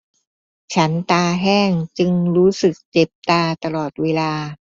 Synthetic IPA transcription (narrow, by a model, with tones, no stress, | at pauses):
t͡ɕʰa˦˥nt̪aː˧ɦɛː˥˩ŋt͡ɕɯ˧ŋɾuː˦˥sɯ˨˩k̚t͡ɕe˨˩p̚t̪aː˧t̪a˧lɔː˨˩t̪̚weː˧laː˧